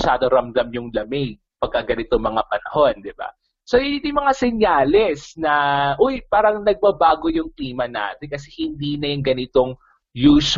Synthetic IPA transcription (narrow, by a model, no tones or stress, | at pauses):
ʃaːd̪oɾɐmd̪ɐmjʊŋlɐmɛɡ | pɐɡ̚kːɐɡɐnɪt̪oŋmɐŋapɐnɐho̞nd̪ɪba̰ | sojɪɪd̪ɪŋmɐŋasɛɲjaːlɛsnɐʔojpaːɾɐŋnɐɡ̚bɐbaːɡojʊŋkliːmɐna̰ːt̪ɪnkɐsɛhɪnd̪iːnɐjʊŋɡɐnɪt̪o̞ŋ | juːs